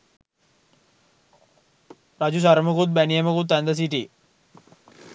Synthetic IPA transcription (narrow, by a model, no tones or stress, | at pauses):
ɾad͡ʑus̬aɾməkut̪̚bænijəməkut̪ːɛnd̪əs̬iʈi